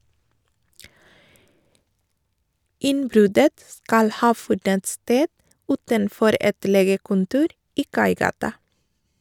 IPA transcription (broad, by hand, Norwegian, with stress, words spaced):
ˈɪnˌbɾʉdət ˈskɑl ˈhɑː ˈfʉdənt ˈsteːd ˈʉːtənˌfɔɾ ˈɛt ˈleːɡəkʊnˌtuːɾ ˈiː ˈkɑɪˌɡɑːtɑ